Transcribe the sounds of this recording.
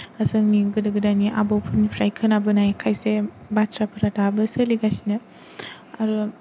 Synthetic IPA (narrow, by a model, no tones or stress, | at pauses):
azɯŋniɡɯdɯɡɯdaniʔa̰bɔwpʰɯɾnipʰɾajkʰɯnabɯnajkʰajse | batʰɾapʰɯɾatabɯsɯliɡasinɯ | aɾu